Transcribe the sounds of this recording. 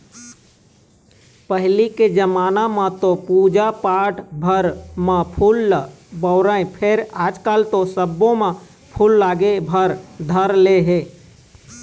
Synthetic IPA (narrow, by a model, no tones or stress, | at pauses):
pəɦliked͡ʒəmaːnamãt̪opuːd͡ʒapaːʈbʱəɾmãpʰuːl | bəʊɾəẽpʰɪɾaːd͡ʒkaːlt̪osəbːõmẽ | pʰuːlːaːɡebʱəɾd̪ʱəɾleɦeː